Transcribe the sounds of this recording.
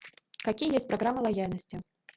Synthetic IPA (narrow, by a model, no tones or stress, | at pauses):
kakʲijəjesʲtʲpɾaɣɾamːɐlˠajalʲnəsʲt͡sʲɪ